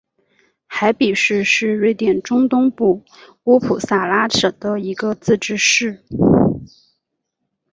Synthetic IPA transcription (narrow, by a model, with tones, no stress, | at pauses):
xa˧˥ɪpi˨˩ʂɻ̩˥˧ʂɻ̩˥˧ɻe˥ɪt̪jɛ˨˩nʈ͡ʂʊ˥ŋt̪ʊ˥ŋpu˥˩ | u˧˥pʰu˨˩sa˨˩la˥ʂɤ˨˩d̪ə˦i˧˥ɡə˧t͡sɹ̩˥˧ʈ͡ʂɻ̩˥ʂɻ̩˥˩